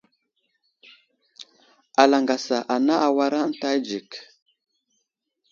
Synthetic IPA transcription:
a˨la˨ŋɡa˨sa˨ʔa˨na˦ʔa˨wa˦ɾa˦n̩˦ta˦jd͡ʒi˨k

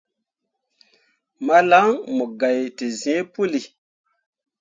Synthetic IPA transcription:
ma˦la˦ŋmo˨ɡa˨jte˨ze˦pu˦li˨

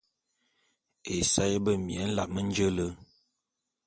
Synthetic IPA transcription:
e˨sa˦je˦bə˦mjɛ˨˦n̩˦la̰˨ʔ̚mə˦n̩˦d͡ʒə˦lə˦

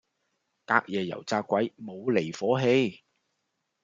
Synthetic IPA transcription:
kaː˧k̚jɛː˨jɐ̰˨˩wt͡saː˧kːʷɐ˨˥jmo˨˧wle˨˩jfɔː˨˥ɦe˧j

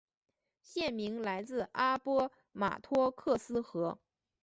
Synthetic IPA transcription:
ɕjɛ˥˩nmi˧˥ŋla˧˥ɪt͡sɹ̩˥˧a˥pwɔ˥ | ma̰˨˩t̪ʰwɔ˥kʰɤ˥˩sɹ̩˥xɤ˧˥

